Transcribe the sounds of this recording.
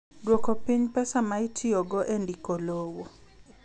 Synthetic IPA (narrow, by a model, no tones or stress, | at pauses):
dwokopiɲpɛsamaitʰioɡɔʔendikolowo